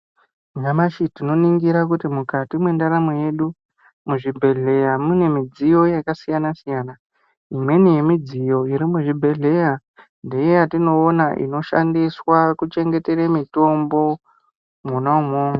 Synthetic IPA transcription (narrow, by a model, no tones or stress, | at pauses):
ɲamaʃitino̞niŋɡiɾakutimukatimwe̞ndaɾamoje̞ɗu | muʐibʱe̞ɮe̞jamune̞mid͡zijo̞jakasijanasijana | imwe̞nije̞mid͡zijo̞iɾimuʐibʱe̞ɮe̞ja | nde̞jejatino̞ːnaʔḭno̞ʃa̰ndiswakut͡ʃe̞ŋɡe̞te̞ɾemito̞mbo̞ | munaumoːŋɡa